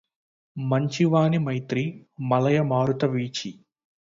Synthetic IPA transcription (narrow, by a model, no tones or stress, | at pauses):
mɐɲt͡ʃiʋaːnimɐjt̪ɾimɐlɐjɐmaːɾut̪ɐʋiːt͡ʃi